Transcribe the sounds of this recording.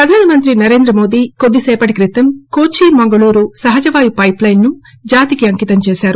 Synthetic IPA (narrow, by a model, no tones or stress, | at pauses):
pɾɐd̪ʱaːnɐmɐnt̪ɾinɐɾe̞ːnd̪ɾɐmo̞ːd̪iːkod̪ːisɛːpɐʈikɾit̪ːɐmkoːt͡ʃiːmɐŋɡɐɭuːɾusɐɦɐd͡ʒɐʋaːjupɐjplɐjnːu | d͡ʒaːt̪ikiɐŋkit̪ɐmt͡ʃeːsaːɾu